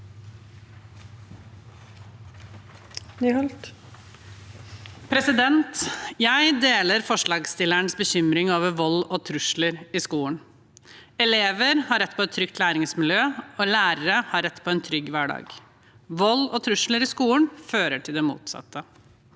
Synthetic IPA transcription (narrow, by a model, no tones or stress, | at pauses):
hɔlt̪ | pʰɾɛsɪd̪ɛnt̪jæɪd̪eːləɾfɔʂɭɑːɡst̪ɪlæɳsbəçʏmɾɪŋoːʋəʋɔlɔːt̪ʰɾʉʂləɾɪskuːən | ɛleːʋəɾhɑɾɛt̪ːpʰɔɛt̪ʰːɾʏkt̪læːɾɪŋsmɪljøːɔːlæːɾəɾəhɑɾɛt̪ːpʰɔɛnt̪ʰɾʏɡːʋæːɖɑ̰ːɡ | ʋɔlɔt̪ʰɾʉʂləɾɪskuːənføːɾəʈʰɪld̪ɛmṵːt̪sɑ̰t̪ːə